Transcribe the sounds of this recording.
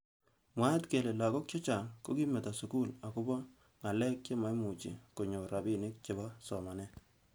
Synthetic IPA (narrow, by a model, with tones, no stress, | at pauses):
mwa˦tke˨le˨la˨kɔ˦k̚t͡ʃɔ˦t͡ʃa˨ŋko˦ki˦mɛ˨ta˨sʊ˨ku˦la˨kʊ˦bɔ˦ | ŋa˨lɛ˦k̚t͡ʃe˦ma˨jmu˨t͡ʃḭ˨ko˨ɲo˨ɾa˨bi˨nɪ˦k̚t͡ʃe˨ba˦sɔ˨ma˨nɛ˦